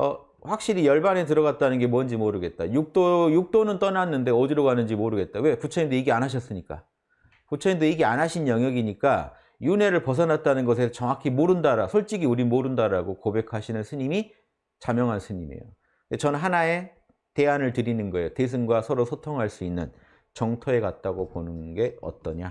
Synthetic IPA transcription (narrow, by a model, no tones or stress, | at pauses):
ʌ | ɸwak̚ɕ͈iɾijʌɭbanetɯɾʌɣat̚t͈anɯnɡe̞mwʌnd͡ʑimoɾɯɡe̞t̚t͈a̰juk̚t͈ojuk̚t͈onɯnt͈ʌnanːɯnde̞odiɾoɡanɯnd͡ʑimoɾɯɡe̞t̚t͈awe̞put͡ɕʰʌindoiɡeanɦaɕ̬ʰʌs͈ɯɲik͈a̰ | put͡ɕʰʌindoiɡe̞anaɕʰinjʌŋjʌɡiɲik͈a | june̞ɾɯɭpʌs̬ʰʌnat̚t͈anɯnɡʌs̬ʰe̞t͡ɕʌŋakʰimoɾɯndaɾasʰoɭt͡ɕ͈iɡiuɾimoɾɯndaɾaɡokobe̞kʰaɕʰinɯnsʰɯɲimi | t͡ɕamjʌŋɦansʰɯɲime̞̰jo̰ | et͡ɕʌnɯnɦanae̞ | te̞anɯɭtɯɾinɯnɡʌe̞jotes̬ʰɯnɡwasʰʌɾosʰotʰoŋɦaɭs͈uinːɯ̰n | t͡ɕʌŋtʰoe̞kat̚t͈aɡoponɯnɡe̞ʌ̰t̚t͈ʌɲa